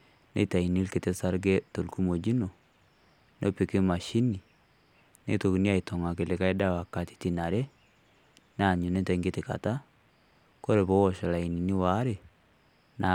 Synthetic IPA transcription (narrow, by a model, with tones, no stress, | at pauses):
nḛ˦ta˨i˨ni˦lke˨te˦sa˦ɾɡe˦to˨lku˦mo˨d͡ʒi˦no˨ | no˦pe˨ke˦ma˨ʃi˦ni˨ | nḛ˦to˨ki˨ni˦a˨i˨to˨ŋa˨ke˨le˨ka˦e˦da˦wa˨ka˨ti̥˦ti˨na˨ɾe˦ | n˦a˨ɲu˨ne˦ta˨i˦ŋɡe˦te˨ka̰˨ta˦ | ko˦ɾe˨βo˦wɔ˨ʃa˨la˨i˨ni˨ni˦wa˨˦ɾe˨ | na˨